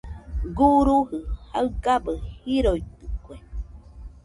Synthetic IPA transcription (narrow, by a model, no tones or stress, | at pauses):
ɡuɾuhɯhaɨɡabəhiɾoit̪ɨkʷe